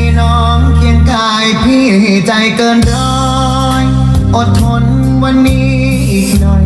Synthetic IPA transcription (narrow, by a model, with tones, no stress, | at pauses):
nɔː˦˥ | ŋki˧nkaː˧jpʰiː˥˩˨t͡ɕa˧jkɤː˧nkʰɔː˧˦˥ | j | ʔo˨˩t̪ʰːo˧˥n | wa˧nːiː˦˥ | ʔiː˨˩k̚nɔ˨˩